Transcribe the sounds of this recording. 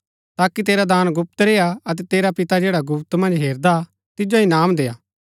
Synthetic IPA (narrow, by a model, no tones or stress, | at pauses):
t̪aːkit̪̬eːɾad̪aːnɡʊp̚t̪ɾeːaɐt̪̬ɛt̪eːɾapɪt̪ad͡ʒeːɽaɡʊpt̪mɐ̃nd͡ʒɦeːɾd̪a | t̪ɪd͡ʒoinaːmd̪eːaː